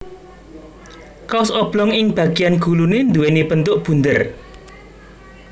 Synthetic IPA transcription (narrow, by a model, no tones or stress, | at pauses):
kaʊsɔb̥lɔŋɪŋb̥ä̤ɡ̥ijanɡ̥ulunend̪uwenipənt̪ʊʔb̥ṳnd̪ər